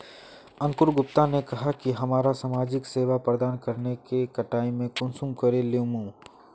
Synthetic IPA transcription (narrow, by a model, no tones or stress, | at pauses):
ɐ̃ŋkʊɾɡʊp̚t̪anekɐɦakiɦɐmaːɾasaːmaːd͡ʒɪkseːʋapɾəd̪aːnkɐɾnekekɐʈaːimẽkʊ̃nsumkɐɾeleumũː